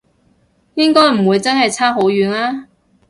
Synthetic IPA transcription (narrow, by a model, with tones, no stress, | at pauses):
jɪ˥ŋkɔː˥jm̩˨˩wuː˨˧jt͡sɐ˥nɦɐ˨jt͡sʰaː˥ɦo˨˥wjyː˨˧nlaː˥